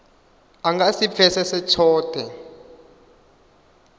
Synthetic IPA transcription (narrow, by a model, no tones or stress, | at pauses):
aŋɡasip̪fʰɛsɛsɛtʰɔːtʼɛ